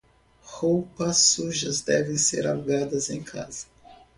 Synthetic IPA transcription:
howpɐsːuʒɐzd̪ɛvẽj̃sḛɾawɡad̪ɐzẽj̃kʰa̰zɐ

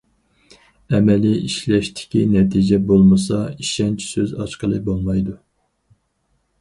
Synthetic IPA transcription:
ɛmɛliiʃlɛʃt̪ʰɪ̥kʲinɛt̪ʰid͡ʒɛbolˠmɨs̬ɑiʃɛnt͡ʃʰi̥søzɑʃqəlˠɨbolˠmɑjd̪u

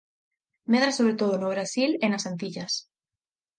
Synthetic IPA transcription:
meðɾasoβɾet̪oð̞onoβ̞ɾasilenasant̪̬iʎas

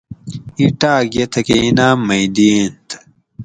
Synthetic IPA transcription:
iʈaːɡjet̪ʰɐkeinaːmɐjd̪iːnt̪

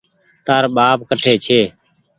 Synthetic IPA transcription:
t̪aːɾɓaːp̚kəʈʰeːt͡ʃʰeː

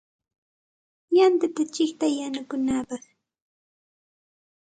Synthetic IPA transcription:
jant̪at̪at͡ʃɪkt̪ajanʊkʊnaːpɑχ

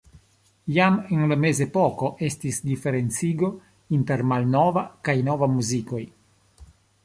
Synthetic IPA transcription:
jamenlame̞ze̞poko̞ʔe̞stisdife̞ɾe̞nt͡siɡo̞ | inte̞ɾmalnovakajno̞vamuziko̞j

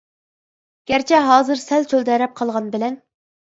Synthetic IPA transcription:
ɡ̥ʲæɾt͡ʃʰɛɦɑːzɨɾsɛlt͡ʃʰøld̪ɛɾɛp̚qʰɑlˠʁɑnbɪlɛn

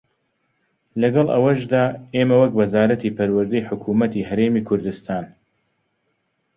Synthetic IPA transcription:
lɐɡɐlˠʔɐ̰wɐʃd̪aːeːmɐwɐkwɐzaːɾɐt̪iːpʰɐɾwɐɾd̪ɐjħʊkʰuːmɐt̪iːɦɐɾeːmikʰʊɾd̪ɨst̪ʰaːn

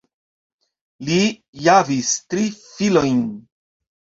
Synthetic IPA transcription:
li | javistɾifilo̞jn

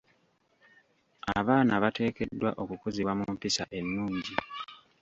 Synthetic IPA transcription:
aβaːnaβate̞ːke̞dːwa̰ʔo̞kukuziβwamumpisaʔe̞nːuːɲɟi

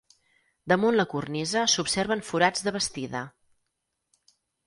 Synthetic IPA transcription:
d̪əmunləkurnizəsupseɾβəɱfuɾad͡zðəβ̞əst̪iðə̰

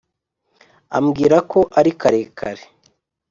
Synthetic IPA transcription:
a̰mɡiːɾako̞ʔaɾikaɾe̞kʰaɾe

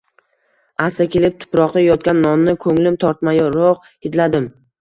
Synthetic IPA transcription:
asakʲʰe̞lɪp̚t̪ʰʊ̥pɾɒqd̪ajɒt̪̚kʲanːɒnnɪkʰɵŋlɪmt̪ʰɒɾt̪majɒɾoq | ed̪lad̪ɪm

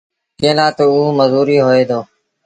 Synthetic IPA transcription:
kẽːlaːt̪oːuːməzuːɾiːɦoːeːd̪oː

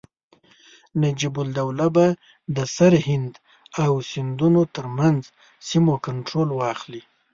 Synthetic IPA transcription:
nad͡ʒibʊld̪awlaba | d̪əsaɾhɪnd̪ | awsɪnd̪unot̪əɾmanz | simokaɳʈɾolwɑxli

